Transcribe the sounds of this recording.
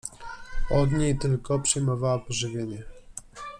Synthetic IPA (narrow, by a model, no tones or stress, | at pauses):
ɔd̪ɲejt̪ɘlkɔpʂɘjmɔvawɔpɔʐɘvʲjeɲɛ